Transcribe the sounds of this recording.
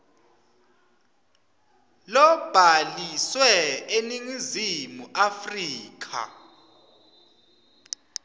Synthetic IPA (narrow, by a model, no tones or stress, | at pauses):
lɔb̥ʱaliswɛeniŋizimuʔafriːk̬ʰa̰